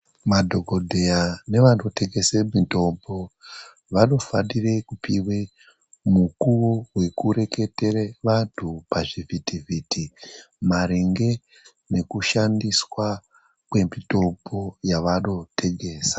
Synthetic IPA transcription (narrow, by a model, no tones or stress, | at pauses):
madʱo̞ɡʱodʱe̞jane̞ʋanote̞ɡe̞semito̞mbo̞ | ʋano̞fanire̞kupiwe | mukuwoɦwe̞kuɾe̞ke̞te̞reʋantʰupaʐivitivʱitʰi | maɾiŋɡe̞ | ne̞kuʃandiswa | kwe̞mito̞mbo̞jaʋano̞tʰe̞ɡʱe̞ːsḁ